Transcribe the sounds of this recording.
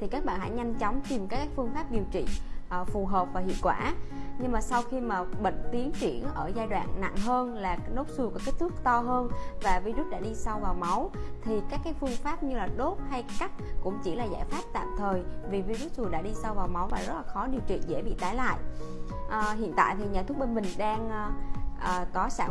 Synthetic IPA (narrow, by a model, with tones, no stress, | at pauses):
t̪ʰi˨˩kaː˦˥k̚ɓa̰ː˧˨nɦa̰˧˥ɲa˧jŋ̟t͡ɕɔ˨˦wŋ͡mt̪i˨˩mkaː˨˦˥kːaː˦˥k̚fɨ˧əŋfaː˦˥p̚ɗi˨˩əwt͡ɕḭ˧˨ʔfu˨˩ɦəː˨˩p̚vaː˨˩ɦḭ˧˨ənkwaː˧˩ɲɨ˧ŋmaː˨˩sa˧wxi˧maː˨˩ɓə̰˧˨ŋ̟t̪i˨˦ənt͡ɕi˧˩ənʔəː˧˩zaː˧jɗwa̰ː˧˨nna̰˧˨ŋɦəː˧nlaː˨˩no˨˦˥p̚su˧kɔ˨˦ke˦˥t̚t̪ʰɨ˦˥k̚t̪ɔ˧ɦəː˧nvaː˨˩vi˧zu˦˥t̚ɗa̰ː˧˥ɗi˧sa˧wvaː˨˩wma˨˦wt̪ʰi˨˩kaː˦˥kːaː˨˦jfɨ˧əŋfaː˦˥p̚ɲɨ˧laː˨˩ɗo˦˥t̚ha˧jka˦˥jk̚kʊ̰˧˥ŋ͡mt͡ɕi˧˩laː˨˩za̰ː˧˩jfaː˦˥p̚t̪a̰ː˧˨mt̪ʰəː˨˩jvi˨˩vi˧zu˦˥t̚zu˨˩ɗa̰ː˧˥ɗi˧sa˧wvaː˨˩wma˨˦wlaː˨˩zə˦˥t̚laː˨˩xɔ˨˦ɗi˨˩əwt͡ɕwḭ˧˨ənzɛ̰˧˩ɓḭ˧˨t̪aː˨˦jla̰ː˧˨jʔːɦḭ˧˨ənt̪a̰ː˧˨jt̪ʰi˨˩ɲa̰ː˨˧˩t̪ʊ˦˥k̚ɓe˧nmï˨˩ŋ̟ɗaː˧ŋː˧ʔəː˨˩kɔ˨˦saː˧˩˨